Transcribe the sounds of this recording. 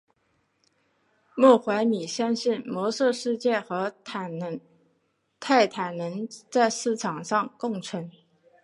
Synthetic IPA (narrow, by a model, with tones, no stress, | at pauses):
mɔ˥˩xwa˧˥ɪmi˨˩ɕjɑ˥ŋɕi˥˩nmwɔ˧˥sɤ˥˧ʂɻ̩˥˧t͡ɕjɛ˥˩xɤ˧˥ | t̪ʰa˥˩ɪt̪ʰa˨˩nnə˧˥nt͡sa˥˧ɪʂɻ̩˥˩ʈ͡ʂʰɑ˨˩ŋʂɑ˥˧ŋkʊ˥˧ŋʈ͡ʂʰɤ˧˥ŋ